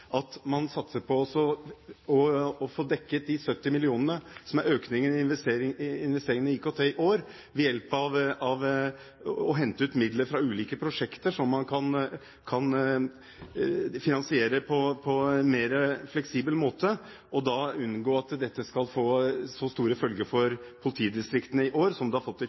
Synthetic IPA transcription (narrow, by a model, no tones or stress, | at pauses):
ʔɑt̪mɑnsɑt̪səpʰɔɔsɔɔɔfoːd̪ɛkːət̪̚d̪ɪsœt̪ːɪmɪlɪuːnənəsɔmæɾøːknɪŋənɪɛseɾɪɪnʋɛst̪eːɾɪŋəniːkot̪ʰeɪʔoːɾ | ʋɛjɛlpɑʋɑʋ | ɔɦɛnt̪əʉːt̪mɪd̪ləɾfɾɑʉːliːkəpʰɾʊʂɛkt̪əʂɔmːɑnkʰɑn | kʰɑn | fɪnɑnsɪeːɾəpʰɔpʰɔnmeːɾəflɛksiːbəlmoːt̪ə | ʔɔd̪ɑʉnɡoːɑt̪d̪ɛt̪ːəskɑlfoːsɔst̪uːɾəfœlɡəɾfɔɾpʰʊlɪt̪ʰiːd̪ɪst̪ɾɪkt̪ənəɪʔoːɾsɔmd̪ɛhɑɾfɔt̪ːɛ